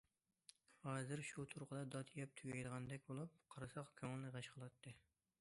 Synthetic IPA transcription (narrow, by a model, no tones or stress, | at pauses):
hɑːzɨɾʃut̪ʰuɾqʰəd̪ɑd̪ɑt̪ʰijɛp̚t̪ʰyɡʲɛjd̪əʁɑnd̪ɛk̚ʲbolˠup̚qʰɑɾɨsɑqkʲʰøŋɪlːɪʁɑʃqʰəlˠɑt̪ʰːɨ